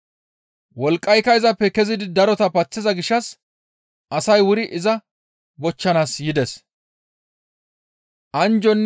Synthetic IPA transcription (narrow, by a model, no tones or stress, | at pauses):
wɔlkʼːɐjkɐjzɐpːɛkɛzɪd̪ɪd̪ɐɾɔt̪ɐpɐt͡sːɪzɐɡɪʃːɐs | ʔɐsɐjwʊɾɪʔɪzɐ | bɔt͡ʃːɐnaːsjɪd̪ɛs | ʔɐnd͡ʒɔnː